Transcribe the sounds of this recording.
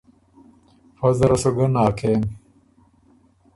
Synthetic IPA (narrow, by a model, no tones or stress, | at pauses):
fɐzɐɾɐsoɡɐnaːkʰeːm